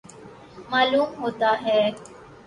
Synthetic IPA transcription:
maːluːmɦoːt̪aːɦɛː

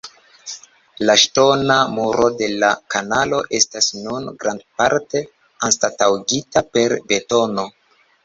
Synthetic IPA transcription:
laʃto̞namuɾʔo̞de̞lakanalo̞ʔe̞stasnunɡɾandpaɾte̞ | anstatawɡitape̞ɾbe̞to̞no̞

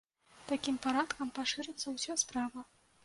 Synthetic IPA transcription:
t̪akʲimpaɾat̪kɐmpaʂɨɾɨt̪sːɐwsʲɔspɾavɐ

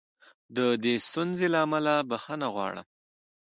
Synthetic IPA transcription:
d̪əd̪est̪unzelaːmalabaxənaɣwɑ̰ɽə̰m

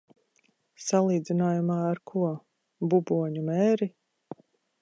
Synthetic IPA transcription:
salˠiːd̪zinaːjumaːɾkʰuɔ | bubuɔɲumɛːɾi

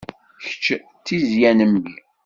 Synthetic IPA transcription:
çə̥t͡ʃː | t͡sːizjænəmbḭ

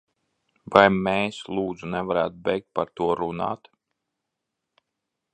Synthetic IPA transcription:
vajmɛeːslˠuːd̪zunɛvaɾæ̰ːt̪bɛjk̚t̪̚paɾt̪uɔɾuna̰ːt̪

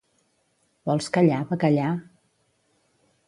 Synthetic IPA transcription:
bɔlˠskəʎaβəkaʎa

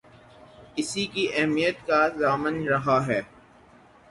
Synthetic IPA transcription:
ɪsikiʔɛɦmijət̪kazaːmənɾɐɦaɦɛː

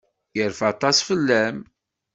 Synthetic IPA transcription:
jəɾfɑt̪ˤɑsfəlːæm

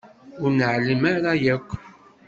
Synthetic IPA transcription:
ʊɾnəʕləmaɾajækʷː

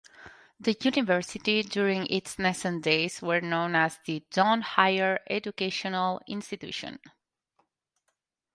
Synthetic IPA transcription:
d̪əjunɪvɜɹsɪtidjuɹɪ̃ŋʔɪtsnɛsə̃ndeɪzwə˞nõʊ̃næzðid͡ʒɔ̃nhaɪəɹɛd͡ʒukeʃɔ̃nəlˠɪ̰̃nstit̪ṵʃə̰̃n

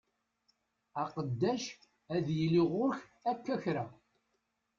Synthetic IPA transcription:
ɑqəd̪ːæʃ | æðjəlːiʁʊɾçækːæçɾæ

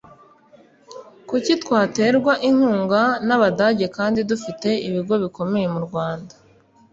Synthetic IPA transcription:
kucitwaːte̞ːɾɡwaʔiŋ̥uːŋɡanaβadaɟe̞kaːndidufite̞iβiɡo̞βiko̞me̞je̞muɾɡwaːndḁ

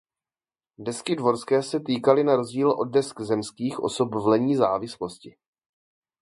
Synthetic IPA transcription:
dɛskɪdvo̞ɾskɛːsɛt̪iːkalɪnaɾo̞zɟiːlʔo̞d̚dɛskzɛmskiːxʔo̞̰so̞pvlɛɲiːzaːvɪslo̞scɪ

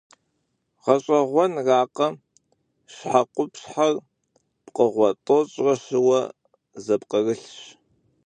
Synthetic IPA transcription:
ʁɐɕʼɐʁʷɔnraːqɐ | ɕħaqʷʊpɕħar | pqəʁʷɔtʼot͡ʃʼrɐʃɨwɐ | zɐpqərɨɬɕ

